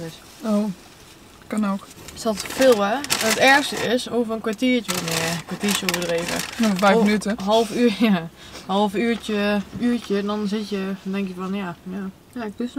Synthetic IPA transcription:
ɪs | oː | kanoːksɔtfɪːlˠʋɛətɛɹxstəɪsoːvərənkʋatiət͡ʃəonɛkʋatiəsoːvədreːvə̰nofɛjmənytəɦɔlˠfyja | hɔlˠfyːt͡ʃəyːtəɛndɔnsɪtjədɛŋkjəfɔnjaja | atɪs

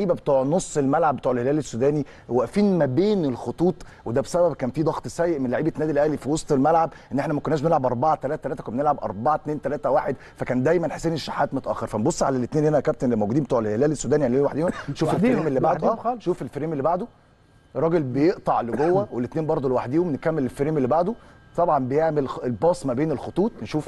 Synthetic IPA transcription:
ʕiːbæbet̪ˤuːʕnosˤːelmælʕabːet̪ˤuːʕelhelæːlesːud̪æːni | wæʔfiːnmæbeːnelxot̪ˤuːt̪ˤ | wed̪æbesæbæbkæːnfid̪ɑɣt̪ˤsæːjːeʔmenlaʕiːbet̪næːd̪ilʔæhlifiwɑsˤt̪ˤelmælʕabʔenːʔeħnæmækonːæːʃbenelʕabʔɑɾˤbɑʕɑt̪ælæːt̪æt̪læːt̪ækænenelʕabʔɑ̰ɾˤbɑʕɑt̪neːnt̪ælæːt̪æwaːħed̪ | fækæːnd̪æjmænħe̥sːeːniʃːaħːæːt̪mot̪ˤʔæːxɑɾfænbosˤːʕa̰lælet̪neːnhenækæp̚t̪enlmowɡud̪iːbet̪ɑːʕelhelæːlesːuːd̪æːnijanlːeːwaħd̪iːhomnʃuːfelːɾiːmelːibaʕdd̪oæːʃuːfelfeɾiːmelːibaʕd̪o | rˤːɑːɡelbejeʔt̪ˤɑʕleɡowːæwelet̪neːnbɑɾˤd̪ˤolewaħd̪iːhomnekæmːelelfeɾiːmelːibaʕd̪o | t̪ˤɑbʕɑnbejeʕmelelbɑːsˤmæbeːnelxot̪ˤuːt̪ˤnʃuːf

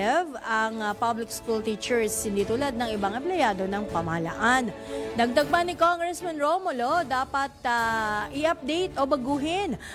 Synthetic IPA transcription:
vɐŋpablɪk̚skult̪iːt͡ʃɛɹshɪnd̪iːt̪ulad̪̚nɐŋɪbaŋɛmplɛjaːd̪o̞nɐŋpɐmɐhɐlɐ̰ʔand̪ɐɡ̚d̪ɐɡ̚panɪkoŋɡɹɛsmɐnɹomolod̪aːpɐt̪̚aʔɪʔɐp̚d̪ɛjt̪obɐɡuːɦɪn

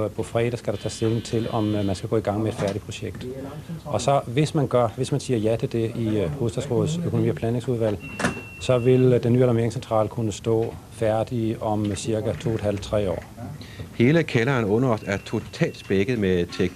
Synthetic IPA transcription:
pʰɒ̽fʁɛ̰ːɾ̥æsɡ̥æɾ̥ɑ̈t͡sʰɛ̰seln̩t͡sʰe̝lɒ̽mmænsɡ̥æɡ̥ɔ̰ːiɡ̥ɑ̈ŋ̰meed̥fæɐɾ̥idpʰʁo̝ɕeɡ̥d̥ʔɒ̽sɒ̽ʋe̝smænɡ̥ɶɐʋe̝smænsiːɐjæt͡sʰe̝ld̥e̝ihoːðˠd̥ɛ̰ðsʁɔːð̩ˠsøkʰonomḭːɒpʰlɛːne̝ŋsuðˠʋæl̰ | sɒ̽ʋe̝ld̥enːy̰ːelɐme̝ɐeŋsent͡sʰʁɑ̰̈ːlkʰunəsd̥ɔ̰̽ː | fæɐd̥iɒ̽msiɐɡ̥æt͡sʰo̝̰ːed̥hæl̰d̥̚t͡sʰʁɛ̰ːɒ̰ː | he̝ːləkʰelɐːnɔ̽nɐɒsæɐt͡sʰo̝t͡sʰɛ̰ːld̥sb̥eɡ̥ð̩ˠmet͡sʰeɡ̥

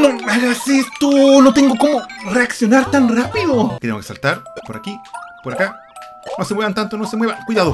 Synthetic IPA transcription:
noaɣasest̪onot̪eŋɡokomoreaksjonaɾt̪anrapiðoket̪emoke̥sa̰lt̪aɾpoɾakipoɾaka | nosemweβant̪ant̪onosemweβaŋkwijðaðo

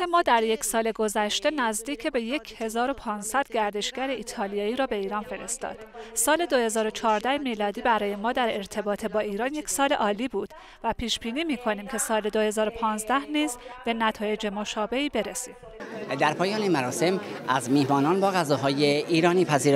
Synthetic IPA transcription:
emɒːd̪æɾje̞cʰsɒːle̞ɡo̞zæʃt̪e̞næzd̪iːcʰebe̞je̞cʰhe̞zɒːɾo̞pʰɒːnsæd̪̥ɟæɾd̪e̞ʃɡæɾe̞iːt̪ʰɒːlijɒːiːɾɒːbe̞iːɾɒːnfe̞ɾe̞st̪ɒ̰ːd̪̥sɒːle̞d̪o̞he̞zɒːɾo̞t͡ʃʰɒːɾd̪æhemiːlɒːd̪iːbæɾɒːje̞mɒːd̪æɾe̞ɾt̪ʰe̞bɒːt̪ʰebɒːiːɾɒːnje̞cʰsɒːle̞ʔɒːliːbuːd̪̥ | væpʰiːʃb̥iːniːmiːkʰo̞niːmcʰe̞sɒːle̞d̪ohe̞zɒːɾo̞pʰɒːnzd̪æhniːzb̥e̞næt̪ʰɒːje̞d͡ʒemo̞ʃɒːbe̞iːbe̞ɾesiːm | d̪æɾpʰɒːjɒːnemæɾɒːse̞mʔæzmihmɒːnɒːnbɒːɣæzɒːɦɒːjeʔiːɾɒːniːpʰæziːɾ

